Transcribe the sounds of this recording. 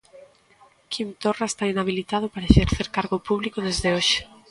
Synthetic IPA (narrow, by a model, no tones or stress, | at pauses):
kint̪oraest̪ainaβ̞ilit̪að̞ʊpaɾaʃeɾθeɾkaɾɣopuβlikʊðezðeoʃe̥